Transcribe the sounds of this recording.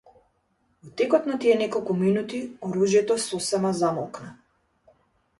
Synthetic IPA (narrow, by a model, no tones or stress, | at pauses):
vɔt̪ɛkɔt̪nat̪iɛnɛkɔlˠkuminut̪iɔɾuʒjɛt̪ɔɛsɔsɛmazamɔlˠkna